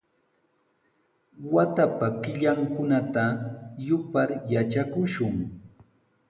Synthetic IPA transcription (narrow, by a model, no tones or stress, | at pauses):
wat̪apakɪʎaŋkʊnat̪ajʊpaɾjat͡ʃakʊʃʊŋ